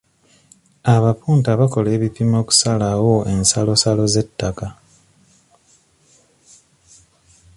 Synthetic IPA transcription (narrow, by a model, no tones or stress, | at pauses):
aβapuːntaβako̞le̞ːβipimo̞ːku̥salawo̞e̞nsalo̞salo̞ze̞tːaka